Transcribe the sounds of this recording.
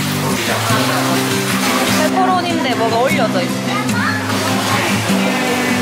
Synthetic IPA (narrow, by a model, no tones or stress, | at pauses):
esʰʌɾoɲimd̪ebʌɡaoʎːʌd͡ʑʌis͈